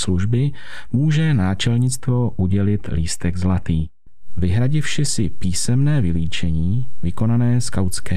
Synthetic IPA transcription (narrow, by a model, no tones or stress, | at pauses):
sluʒbɪmuːʒɛnaːt͡ʃɛlɲɪt͡st̪vo̞ʔuɟɛlɪt̪liːst̪ɛɡzlat̪iː | vɪɦɾaɟɪfʃɪsɪpiːsɛmnɛːvɪliːt͡ʃɛɲiːvɪko̞nanɛːskawt͡skɛː